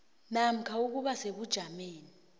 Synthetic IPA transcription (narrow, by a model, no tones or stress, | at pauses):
nam̩kʰauk̬uɓaseɓud̥ʒ̥ʱameːni